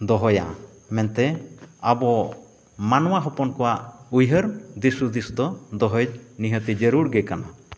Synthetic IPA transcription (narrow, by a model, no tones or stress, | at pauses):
d̪ɔɦɔja̰ | mɛnt̪ɛabɔ | manɔwaɦɔpɔnkɔwaʔujɦəɾd̪isud̪isd̪ɔd̪ɔɦɔjd͡ʒniɦət̪id͡ʒəɾuɾɡɛkana̰